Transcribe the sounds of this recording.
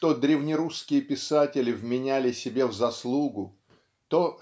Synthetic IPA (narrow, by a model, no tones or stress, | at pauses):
t̪od̪ɾʲɪvnʲɪɾuskʲɪjəpʲɪsatʲɪlʲɪvmʲɪnʲælʲɪsʲɪbʲe̞vzɐslˠuɡʊ | t̪o